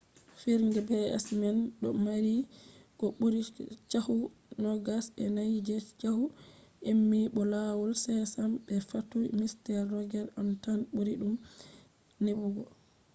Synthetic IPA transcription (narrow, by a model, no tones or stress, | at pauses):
fiɾŋɡɛbɛɛ̰smɛnɗɔmaɾikɔɓuɾit͡ʃahunɔɡasɛnajd͡ʒɛt͡ʃahuʔemːiɓɔlawɔlsɛsamɓɛfatujmistɛɾːɔɡɛɾamtanɓuɾiɗum | nebuɡɔ